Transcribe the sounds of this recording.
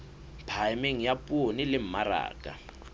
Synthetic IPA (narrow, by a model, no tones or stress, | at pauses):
pʰajmeŋ̩japʼonilɪm̩maɾa̰ːkʼa̰